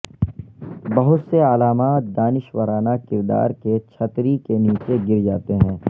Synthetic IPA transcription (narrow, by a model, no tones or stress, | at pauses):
bɐɦʊt̪seəlaːmaːt̪̚d̪aːnɪʃwəɾaːnakɪɾd̪a̰ːɾket͡ʃʰɐt̪ɾikeniːt͡ʃeɡɪɾd͡ʒaːt̪eɦɛ̃ː